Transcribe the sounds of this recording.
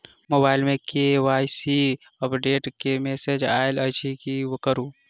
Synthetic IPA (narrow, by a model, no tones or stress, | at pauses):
moːbaːɪlmẽkeʋaːjsi | əpɖeːʈkemeːsed͡ʒaːɪlɐt͡ʃʰikiwkəɾuː